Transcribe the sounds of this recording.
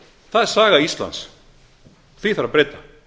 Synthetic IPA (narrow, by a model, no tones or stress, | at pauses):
θaðɛɾ̥saːɣaist̪la̰ns | θiθaɾapɾeːt̪ḁ